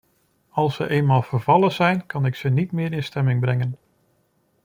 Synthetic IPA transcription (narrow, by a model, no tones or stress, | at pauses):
ɑlˠsəʔejnmaːlˠv̥əɹvɑlˠəzɛjnkɑnɪksənitmɪːɾɪnstɛmɪŋbrɛŋən